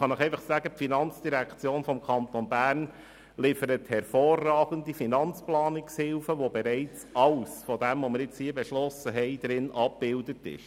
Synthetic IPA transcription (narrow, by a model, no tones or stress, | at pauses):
χɑnɪχɛɪfɑχsæɡəpfinɑnt͡sd̥iɾækt͡sjoːnfɔmkʰɑnt̪ɔnbæːɾn | lɪfəɾəthɛɾfoːrːɑːɡ̥ən̩difinɑnt͡splɑːnɪkshɪlfəʋobɛɾɛɪt͡sɑlsfɔdɛmvoməɾɪt͡shiːəbɛʃlɔsəɦɛɪd̥ɾɪnʔɑp̚b̥ɪldətɪ̰ʃ